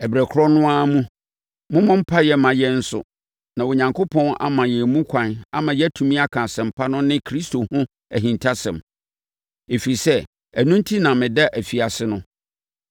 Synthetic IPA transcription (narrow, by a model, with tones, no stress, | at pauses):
ɛ˨bɾæ˨kʰʊ˦ɾɔ˦nʊ̃˦a˦mũ˦ | mʊ̃˦mʊ̃˦m̩˦pʰa˦jɛ˨mã˨jɛ˦n̩˦sʊ̰˨ | nã˨wɔ˨ɲã˨ŋkʰo˦pʰɔ̃˦na̰˨mã˨jɛ˨mũ˦kʷʰã˨na̰˦mã˨jɛ˦tʰũ˨mĩ˦a˦kʰã˨sɛ̃˨m̩˨pʰa˦nʊ̃˦nɪ̃˦kʰɾi˦sto˨hʊ̃˦ | æ˨ɦĩ˨ntʰa˦sɛ̃˨m | e˨fi˨ɾi˨sɛ˦ | æ˨nũ˦n˦tʰi˦nã˨mɪ̃˨dɛ˦ʔæ˨fi˨a˨sɪ˦nʊ̃˦